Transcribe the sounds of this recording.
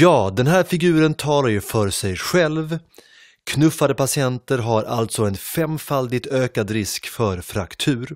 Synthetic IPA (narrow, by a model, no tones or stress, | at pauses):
jɑːd̪ɛnɦæːɾfɪɡʉ̟ːɾənt̪ʰɑːlaɾjɵfœɾsɛjɧɛlv | kʰnɵfad̪əpasɪɛnt̪əɾɦaɾʔalt̪sɔɛnfɛmfald̪ɪɡ̚t̪øːkad̪ɾɪskfœɾfɾakt̪ʰʉ̟ːɾ